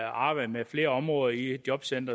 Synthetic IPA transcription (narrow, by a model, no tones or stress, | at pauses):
ɑ̈ːb̥ɑ̈ɪ̰d̥əmefle̝ːɐɒ̽mʁɔːð̞ˠɐid̥jɒ̽b̥sen̰d̥ɐ